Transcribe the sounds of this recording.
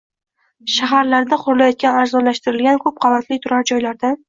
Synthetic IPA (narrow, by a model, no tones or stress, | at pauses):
ʃaɦaɾlaɾd̪aqʰʊɾlˠajɒt̪̚kʲanaɾzɒlaʃt̪ɪɾɪlɡʲankʰɵp̚qʰɑvat̪ʰlɪt̪ʰʊɾaɾd͡ʒɒjlaɾd̪an